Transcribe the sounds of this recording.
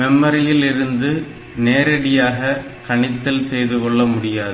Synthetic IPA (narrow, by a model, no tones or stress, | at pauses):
mɛmːɐɾɪjɪlɪɾɯnd̪ɯ | neːɾɐɽɪjaːɣɐkɐɳɪt̪ːɐlsɛjðɯkɔɭːɐmʊɽɪjaːðɯ